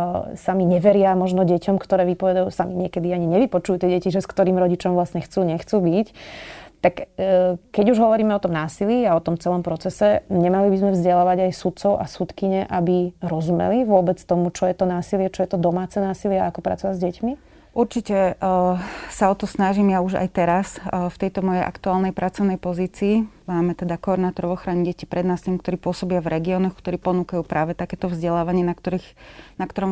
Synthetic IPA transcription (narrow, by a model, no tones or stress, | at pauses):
samiɲɛʋɛɾɪamɔʒnɔɟɛcɔmkt̪ɔɾɛːʋipɔʋɛd̪ajusamiɲɪɛkɛd̪iaɲiɲɛʋipɔt͡ʃujut̪ɪɛɟɛciʒɛskt̪ɔɾiːmɾɔɟit͡ʃɔmvlasɲɛxt͡suːɲɛxt͡suːbict̪ak | kɛɟuʒɦɔʋɔɾiːmɛɔt̪ɔmnaːsiliaɔt̪ɔmt͡sɛlɔmpɾɔt͡sɛsɛɲɛmalibizmɛvzɟɛlaːʋaɟajsut̪̚t͡sɔʊʔa̰sut̪kiɲɛʔabiɾɔzumɛ̰liʋʊɔbɛt͡st̪ɔmut͡ʃɔjɛt̪ɔnaːsilɪɛt͡ʃɔjɛt̪ɔd̪ɔmaːt͡sɛnaːsilɪɛakɔpɾa̰t͡sɔʋazɟɛcmi | ʔuɾt͡ʃicɛ | saɔt̪ɔsnaʒimjauʒa̰jt̪ɛɾasft̪ɛjt̪ɔmɔjɛjʔa̰kt̪uaːlnɛjpɾʔat͡sɔʊnɛjpɔziːt͡siːmaːmɛt̪ɛd̪akɔɾnaːt̪ɔɾɔvɔxɾaɲɛɟɛcipɾʔɛd̪naːsilɛmkt̪ɔɾiːpʊɔsɔbɪavɾɛɡiɔːnɔxkt̪ɔɾiːpɔnuːkajuːpɾaːʋɛt̪akɛːt̪ɔvzɟɛlaːʋaɲɪɛnakt̪ɔɾixnakt̪ɔɾɔm